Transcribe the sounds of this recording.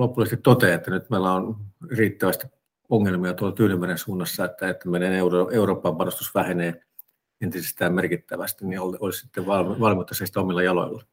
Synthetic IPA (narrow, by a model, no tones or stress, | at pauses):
lopulːˑɑsest̪it̪t̪ot̪eːet̪ːænyt̪meˑilːæonriːt̪ːæʋæst̪i̥ | oŋːelmiɑt̪uolːɑkyːnymːærensuːnːɑsːɑet̪ːæet̪ːæmeneneuroeuroːpːɑmpɑnost̪usʋæheneː | ent̪isest̪æːmmerkit̪ːæʋæst̪inniololissi̥t̪ːeʋʋɑlmʋɑlmiut̪ːɑsɑist̪æomilːɑjɑlo̰ilːɑ